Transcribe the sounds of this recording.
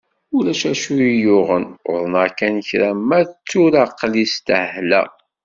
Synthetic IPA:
ulæʃæʃuijʊʁənʊ̰ðˤnakænçɾæmːæðt͡sːuɾaqːlist̪əhhlæ̰

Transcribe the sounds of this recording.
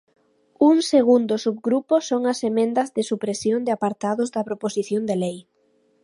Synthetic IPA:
uŋseɣund̪ʊsubɣɾuposoŋɐsemẽnd̪ɐzðɪsupɾesjond̪ɪapaɾt̪aðʊzd̪ɐpɾoposiθjond̪elej

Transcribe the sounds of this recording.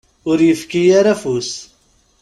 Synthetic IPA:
ʊɾjəfkijaɾafus

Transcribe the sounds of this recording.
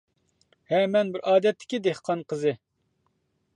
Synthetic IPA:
hɛmɛnbɪɾʔɑːd̪ɛt̪ʰːɪ̥kʲid̪ehqʰɑnqʰəzɨ

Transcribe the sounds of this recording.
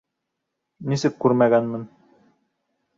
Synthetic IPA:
nisɘkːʉɾmæɡænmɘn

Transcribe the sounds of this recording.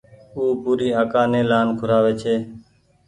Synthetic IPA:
uːpuːɾiːaːkãːnẽːlaːnkʰʊɾaːʋeːt͡ʃʰeː

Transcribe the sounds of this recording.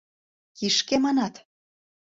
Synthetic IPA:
kiʃkemɑnɑt̪

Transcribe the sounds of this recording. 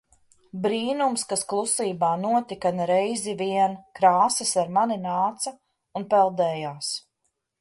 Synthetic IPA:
bɾiːnumskasklˠusiːbaːnuɔt̪ikanɾɛjziviɛnkɾaːsɐsaɾmaninaːt̪sɐ | unpɛlˠd̪ɛːjaːs

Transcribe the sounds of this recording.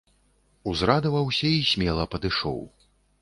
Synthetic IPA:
uzɾad̪ɐvɐwsʲɐisʲmʲɛlˠɐpɐd̪ɨʂɔ̰w

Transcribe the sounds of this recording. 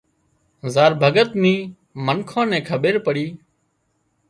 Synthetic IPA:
zaːɾbʱəɡət̪nĩː | mənkʰãːnɛ̃ːkʰəɓeːɾpəɽiː

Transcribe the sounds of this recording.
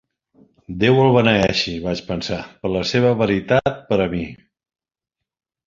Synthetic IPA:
d̪ewəlˠβənəɛʃiβat͡ʃpənsapəɾləseβ̞əβəɾit̪at̪̚pəɾəmi

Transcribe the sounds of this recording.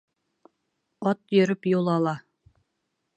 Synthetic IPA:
ɒt̪jɵ̆ɾɵpjulˠɑlˠɑ

